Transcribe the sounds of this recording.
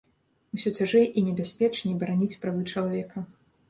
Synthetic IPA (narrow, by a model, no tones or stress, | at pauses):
usʲɔt͡sʲaʐɨʔinʲɛbʲasʲpʲɛt͡ʂnʲibɐɾanʲit͡sʲpɾavɨt͡ʂɐlˠavʲɛkɐ